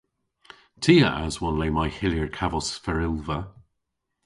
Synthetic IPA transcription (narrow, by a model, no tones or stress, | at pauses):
tʰiːəʔazwɔnleːmajhɪljəɹkʰavɔsfəɹɪlˠvə